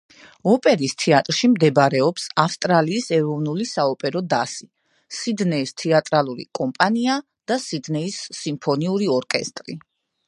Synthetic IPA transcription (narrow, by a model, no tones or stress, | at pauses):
ɔpʼɛɾist̪ʰɛat̪ʼɾʃimd̪ɛbɾɛɔpsafst̪ʼɾaliːsɛɾɔvnulisaɔpʼɛɾɔd̪asi | sid̪nɛist̪ʰɛat̪ʼɾalˠuɾḭkʼɔmpʼania | d̪̥asid̪nɛisːimpʰɔniuɾiɔɾkʼɛ̰st̪ʼɾḭ